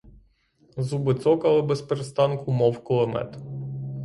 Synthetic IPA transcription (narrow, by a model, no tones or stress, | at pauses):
zubɪt̪sɔkɐlˠɪbɛspeɾest̪ɑnkʊmɔwkɔlˠɔmɛ̰t̪